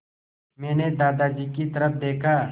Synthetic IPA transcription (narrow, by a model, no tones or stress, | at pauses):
mɛ̃ːned̪aːd̪aːd͡ʒiːkit̪ɐɾəfd̪eːkʰaː